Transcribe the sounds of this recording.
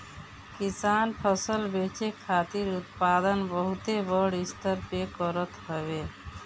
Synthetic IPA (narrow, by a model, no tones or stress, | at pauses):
kisaːnpʰəsəlbet͡ʃekʰaːt̪iɾʊt̪̚paːd̪ənbəɦut̪ebəɽist̪əɾpekəɾət̪ɦəbe